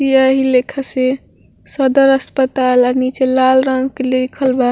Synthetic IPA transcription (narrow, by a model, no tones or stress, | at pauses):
ijəɦilekʰase | səd̪əɾəspət̪alanit͡ʃelalɾãŋɡkelekʰəlba